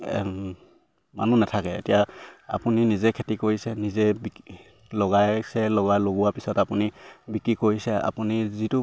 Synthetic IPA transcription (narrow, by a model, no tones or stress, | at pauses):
manunatʰakɛḛtijaa̰puninizɛkʰetikoɹisɛnizɛb | lɔɡajsɛlɔɣajloɡuwapisɔtapunibikɹikoɹisɛa̰punizitu